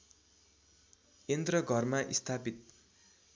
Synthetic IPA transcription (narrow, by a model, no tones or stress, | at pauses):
kend̪rʌɡʱʌrmaʔist̪ʰapit̪̚